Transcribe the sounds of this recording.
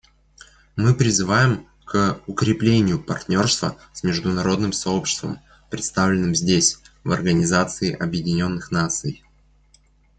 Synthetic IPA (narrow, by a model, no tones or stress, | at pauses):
mɨpɾʲɪzɨvajɪm | kəʊkɾʲɪplʲenʲɪjʊpɐrt̪ʲnʲo̞rst̪və̰ | smʲɪʐd̪ʊnɐɾo̞d̪nɨmsɐo̞pɕɪ̥st̪və̰m | pɾʲɪt̪st̪avlʲɪnːɨmzʲdʲesʲ | vɐ̰rɡənʲɪzat̪sɨɪʔɐbjɪdʲɪnʲo̞nːɨxnat̪sɨj